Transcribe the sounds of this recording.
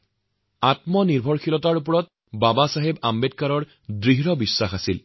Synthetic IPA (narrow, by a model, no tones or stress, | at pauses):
atmɔniɹbʱɔɹxʰilɔtaɹup̬ɔɹɔt̚ | babasaɦebambed̚kaɹɔɹ | dɹiɦɹɔbisːaxasil